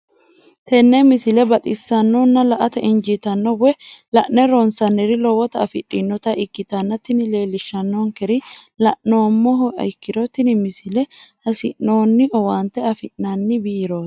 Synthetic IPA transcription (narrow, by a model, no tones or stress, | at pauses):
t̪ɛnːɛmɪsɪlɛbɐt̪ʼɪsːɐnːoːnːɐlɐʔɐt̪ɐʔɪnd͡ʒit̪ɐnːɔwɛlɐʔnɛɾɔnsɐnːɛɾɪlɔwɔt̪ɐɐfɪ̰ɗːinːɔt̪ɐʔɪkːɪt̪ɐnːɐt̪ːɪnɪle̞ːlɪʃːɐnːoːŋkɛɾɪlɐʔnoːmːɔɦɐ̰ɪkːɪɾɔt̪ːɪnɪmɪsɪlɛhɐsɪ̰ʔnoːnːɪʔɔwaːnt̪ɛɐfɪʔnanːɪbiːɾo̥ː